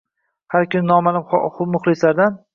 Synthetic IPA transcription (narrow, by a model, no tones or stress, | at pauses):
haɾkʲʰʊnɪnɒmalɪmχʊmʊχlˠɪslaɾd̪an